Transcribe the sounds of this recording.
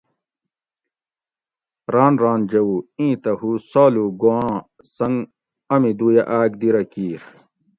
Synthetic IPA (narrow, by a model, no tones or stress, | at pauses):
ɾaːnɾaːnd͡ʑɐwuĩːt̪ɐhusaːluɡuãː | sɐŋɡ | ɐmid̪uːjaʔaːɡd̪iɾɐkiːɾ